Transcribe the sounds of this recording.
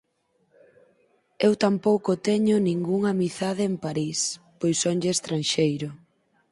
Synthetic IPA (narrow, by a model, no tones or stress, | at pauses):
ewt̪ampowkʊt̪ɛɲʊnĩŋɡuŋamiθað̞ɪempaɾispojsoɲʎeːst̪ɾanʃejɾʊ